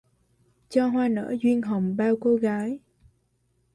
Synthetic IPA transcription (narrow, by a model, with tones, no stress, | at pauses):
t͡ɕɔ˧ɦwaː˧nə̰ː˧˥zwi˧ənɦə˨˩wŋ͡mɓaː˧wko˧ɣaː˨˦j